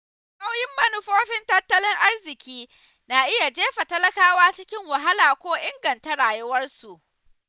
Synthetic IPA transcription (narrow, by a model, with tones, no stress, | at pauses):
ka˦wjɪ˦mːɐ˦nu˦ɸoː˦ɸɪ˦ntɐ˦tːɐ˦lɪ˦ŋʔa˦rzɪ˨kʲiː˦ | naː˨ʔɪ˦ja˨d͡ʒeː˦ɸa˨tɐ˦lɐ˦kaː˦waː˦t͡ʃɪ˦kʲɪ˦ŋwa˨ɦa˦laː˨kʷoː˦ʔɪ˦ŋɡɐ˨nta˦ɽaː˨jʊ˦wɐ˦rsu˨ʔ